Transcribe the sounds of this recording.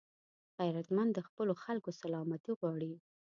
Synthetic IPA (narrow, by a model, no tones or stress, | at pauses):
xajɾat̪mand̪əxpəloxalkosalɑmat̪iɣwɑɽi